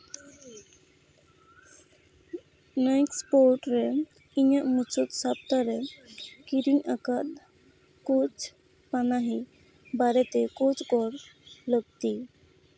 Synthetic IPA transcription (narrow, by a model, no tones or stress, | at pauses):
najkspoɾʈɾɛ | iɲaʔmut͡ʃɔt̪sap̚t̪aɾɛkiɾiŋakat̪̚ | kot͡ʃ | panaɦi | baɾet̪ekot͡ʃɡɔɾləɡ̚t̪i